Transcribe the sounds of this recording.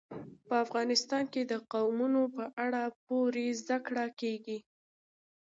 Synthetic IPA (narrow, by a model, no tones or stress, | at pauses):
pəafɣɑnɪst̪ɑnked̪əqawmunopəʔaɽap̚oɾezd̪akɽakeɡi